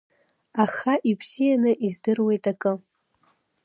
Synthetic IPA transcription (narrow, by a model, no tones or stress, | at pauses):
aχaʔipʰzijanɨʔizdɨrwe̞jtʼakʼɨ